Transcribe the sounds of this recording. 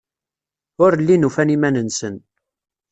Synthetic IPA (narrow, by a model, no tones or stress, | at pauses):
ʊɾlːinufænimænənsən